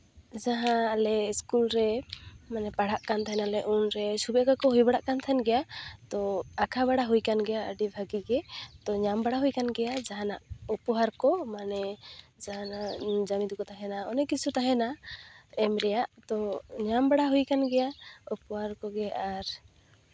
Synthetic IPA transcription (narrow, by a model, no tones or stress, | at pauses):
d͡ʒaɦãːlɛskulɾɛmanɛpaɽ̤aʔkant̪ʰaɦɛnalɛʔunɾɛsubɛkakɔɦujbaɽaʔkant̪ʰɛnɡɛjat̪ɔakʰabaɽaɦujkanɡɛjaəɖibʱaɡiɡɛt̪ɔɲambaɽaɦujkanɡɛjad͡ʒaɦana̰ʔupɔɦaɾkɔmanɛd͡ʒaɦanad͡ʒamid̪ukɔt̪aɦɛnaɔnɛkit͡ʃʰut̪aɦɛna | ɛmɾɛjaʔt̪ɔɲambaɽaɦujkanɡɛjaupɔɦaɾkɔɡɛʔaɾ